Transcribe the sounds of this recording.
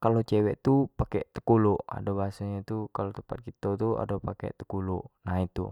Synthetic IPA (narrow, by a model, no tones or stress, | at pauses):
kalot͡ʃɛwɛʔt̪upakɛt̪ə̥kuluʔa̰dobaɦasaɲat̪ukalot̪əmpat̪̚kit̪ot̪ua̰dopakɛ̰t̪ə̥kuluʔnait̪ṵ